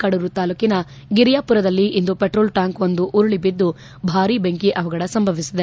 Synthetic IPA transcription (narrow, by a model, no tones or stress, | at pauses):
kɐɽuɾut̪aːlukinɐ | ɡiɾjaːpuɾɐd̪ɐlːiʔind̪upeʈɾoːlʈaːŋkʋond̪uʔuɾuɭibid̪ːu | bʱaːɾibeŋkiʔɐʋɐɡɐɽɐsɐmbʱɐʋisid̪e